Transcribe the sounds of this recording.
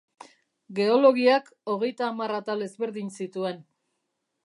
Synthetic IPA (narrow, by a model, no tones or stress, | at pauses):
ɡe̞o̞lo̞ɣiako̞ɣ̞e̞jt̪aːmarat̪ale̞zβe̞ɾðinsit̪ue̞n